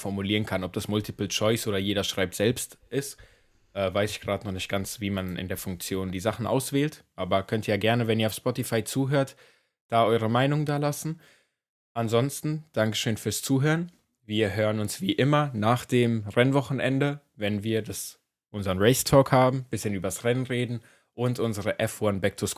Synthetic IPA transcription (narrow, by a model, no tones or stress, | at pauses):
fɔɐmuliːʁənkʰanɔp̚d̥asmʊltʰipl̩t͡ʃɔʏsʔoːɾɐjeːɾɐʃʁ̥aɪp̚tz̥ɛlpstʔɪst | ʔɛːvaɪsɪçɡ̥ʁaːtnɔχnɪçtɡ̥ant͡sv̥iːmanʔɪ̰ndeːɐfʊŋk̚t͡sjoːndiːzaχn̩ʔa̰ʊsv̥eːltʔaːbɐkʰœntiːjaːɡɛɐnəvɛniːɐaʊfspɔtifaɪt͡suːɦøːɐt | d̥aːʔɔʏʁ̞əmaɪnʊŋdaːlasn̩ | ʔanzɔnstn̩d̥aŋkə̥ʃøːnfyːɐst͡suːɦøːʁən | viːɐɦøːʁənʊnsv̥iːʔɪmɐnaːχd̥eːmʁɛnvɔχn̩ʔɛndə | vɛnviːɐdas | ʔʊnzɐʁənʁɛɪstʰɔːkhaːbm̩b̥ɪsçənʔyːbɐsʁɛnənʁeːdn̩ | ʔʊntʔʊnzəʁəʔɛfwanbɛk̚tʰʊs